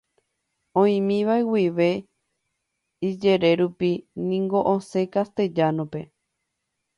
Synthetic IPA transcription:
õĩmĩʋaewiʋe̞ | id͡ʒe̞ɾe̞ɾupinĩŋɡo̞ʔõse̞kast̪e̞d͡ʒanõpe̞

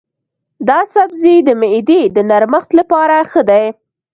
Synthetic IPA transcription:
d̪ɑsabzid̪əmɪd̪id̪ənaɾməxt̪lapɑɾaxəd̪aj

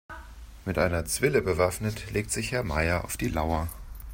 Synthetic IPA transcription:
mɪtʔaɪnɐt͡sv̥ɪləbəvafnətleːk̚tz̥ɪçhɛɐma̰ɪɐa̰ʊfd̥iːlaʊɐ

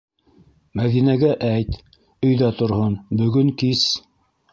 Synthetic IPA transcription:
mæðinæɡæʔæjt̪ | ɵ̆jðæt̪ŏɾhonbɵ̆ɡɵŋkis

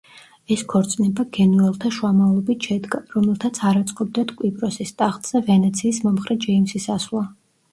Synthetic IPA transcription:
ɛskʰɔɾt̪sʼnɛbaɡɛnuɛlˠt̪ʰaʃwamalˠɔbit̪ʰʃɛd̪ɡaɾɔmɛlˠt̪ʰat̪sʰaɾat̪sʼqʼɔb̚d̪at̪ʰkʼwipʼɾɔsist̪ʼaχt̪ʼz̥ɛvɛnɛt̪sʰiːsmɔmχɾɛd͡ʒɛimsisaslˠa

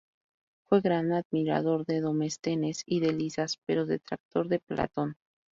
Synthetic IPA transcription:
fwe̞ɣɾanaðmiɾa̰ðo̞ɾðeðo̞me̞st̪e̞ne̞siðe̞lisaspe̞ɾo̞ðe̞t̪ɾak̚t̪o̞ɾðe̞pla̰t̪o̞n

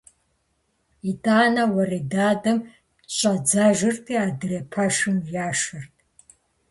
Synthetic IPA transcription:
itʼaːnɐwɐridaːdɐm | ɕʷʼɐd͡zaʒɨrtʰiːadɨrepʰaʂɨmjaːʂɨrtʰʼ

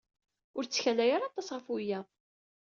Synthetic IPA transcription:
ʊɾt͡sːçænæjaɾɑt̪ˤːɑsʁəfujːæ

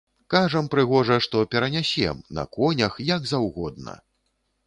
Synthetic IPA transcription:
kaʐɐmpɾɨɣɔʐɐʂt̪ɔpʲɛɾɐnʲasʲɛ̰mnɐ̰kɔnʲɐxjɐɡzawɣɔd̪̚nɐ̰

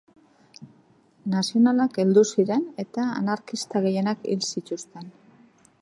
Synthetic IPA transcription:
nasio̞nalake̞ld̪usiɾe̞ne̞t̪a̰ːnaɾkist̪aɣe̞je̞nakḭlsit̪ust̪e̞n

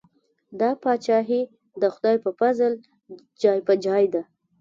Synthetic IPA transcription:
d̪ɑpɑt͡ʃɑɦi | d̪əxʊd̪ɑjpəfazəl | d͡ʒɑjpəd͡ʒɑjd̪a

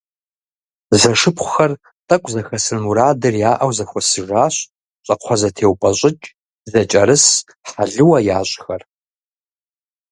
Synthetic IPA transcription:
zɐʂɨpʰχʷʊxɐr | tʼɐkʷʼzɐxɐsɨnmuɾaːdɐrjaːʔɐwzɐxʷɔsɨʒaːɕ | ɕʼɐqʷʰɔzɐtʰeːwpʼɐɕʷʼɪt͡ʃʼ | zɐt͡ʃʼɐɾɨs | ħaɮɨwɐjaːɕʼxɐr

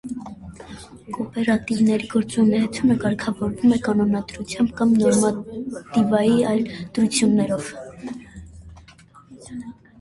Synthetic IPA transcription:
kɔpɛɾɑt̪ivnɛɾiɡ̥ɔɾt͡sunɛɛt͡sʰunəkɑɾkʰɑvɔɾvumɛkɑnɔnɑd̪ɾut͡sʰjɑmbkɑmnɔɾmɑt̪ivɑjiɑjld̪̥ɾut͡sʰjunːɛɾɔv

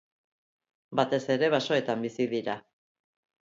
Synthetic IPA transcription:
bat̪e̞se̞ɾe̞β̞aso̞e̞t̪ambisiðiɾa

